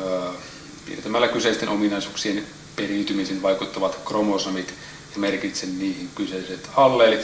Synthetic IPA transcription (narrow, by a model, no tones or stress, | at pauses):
pḭert̪æmælːækyseˑist̪enʔominɑisuːksien | perint̪ymisenʋɑikut̪ːɑʋɑt̪kromosɑmit̪ | jɑmerkit̪senniːhiŋkyseiset̪ɑlːeːlit̪